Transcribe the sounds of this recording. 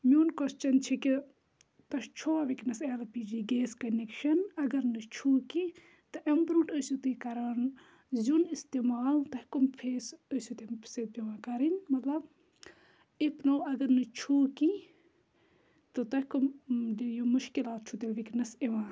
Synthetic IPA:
mʲuːnkost͡ʃɐnt͡ʃʰiki | t̪ɐʃt͡ʃʰoaʋiknɐseːlɐpid͡ʒiːɡeːskɐnekʃɐnɐɡɐɾnɨt͡ʃʰuːki | t̪ɨʔɐmbɾuʈəsut̪ɨkɐɾan | zunist̪emaːlt̪ɐhʲkumpʰeːsəsut̪empsepiʋãːkɐɾinmɐt̪lɐb | ipnoːɐɡɐɾnɨt͡ʃʰuːki | t̪ɨt̪ɐhʲkumd͡ʒijomuʃkilaːt̪̚t͡ʃʰut̪ilʋiknɐsiʋãː

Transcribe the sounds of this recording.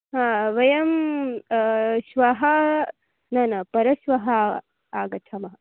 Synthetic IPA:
ɦaːʋɐjɐm | ʃʋɐɦɐ | nɐnɐpɐɾɐʃʋɐɦɐ | aːɡɐt̪ʰɐmɐɦɐ

